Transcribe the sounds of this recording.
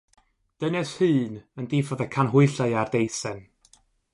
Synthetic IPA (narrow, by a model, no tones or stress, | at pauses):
d̥ənɛshɨːnəndiːfɔðɛkʰanɦʊɨɬaɨardejsɛn